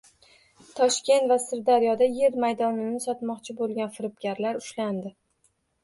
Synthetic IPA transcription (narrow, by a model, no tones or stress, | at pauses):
t̪ʰɒʃkʲe̞nt̪vasɪɾd̪aɾijɒd̪aje̞ɾmajd̪ɒnɪnɪsɒt̪mɒqt͡ʃʰɪbolˠɡʲanfɪɾɪpkʲaɾlaɾʊʃland̪ɪ